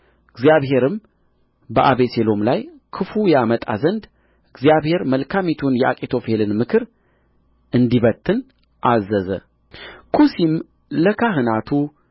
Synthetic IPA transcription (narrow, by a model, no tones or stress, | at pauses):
ʔɨɡzijaβɦe̞ɾɨm | bəʔaβe̞selo̞mlaj | kʰɨfujamət̪ʼa̰zənd̪ | ɨɡzijaβhe̞ɾməlkʰamit̪ʰunjɛʔakʼet̪ʰofelɨnmɨkʰɨɾ | ʔɨnd̪iβət̪ʰːɨn | ʔazəzə̰ | kʰusim | ləkʰaɦɨnat̪ʰu